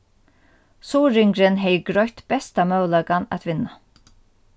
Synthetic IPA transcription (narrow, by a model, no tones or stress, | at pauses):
suːɾɪŋkɾɪnɦɛjɡɾɔjht̪b̥ɛst̪amœwlakana̰t̪ʋɪnːa